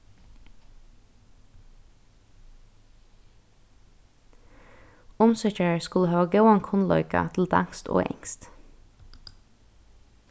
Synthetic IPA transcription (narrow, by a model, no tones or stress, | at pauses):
ʊmsœçəɹskʉləhɑːɡəʊɑŋkʰʊnlɔ̰ʏkɑ̰t̪ʰl̩d̪ɑ̰ŋst̪ʰo̰ːʔɛ̰ŋst̪